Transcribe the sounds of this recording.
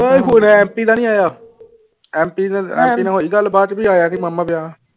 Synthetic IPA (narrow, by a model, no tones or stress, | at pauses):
əiɦuːnɛ̃ɛ̃ːmpiːd̪ãːnĩːaːjaː | ɛ̃ːmpiːɛ̰̃ːmpiːnãːɦoiɡəlːbaːt̪biːaːjaːnĩːməmːãːpɪjaː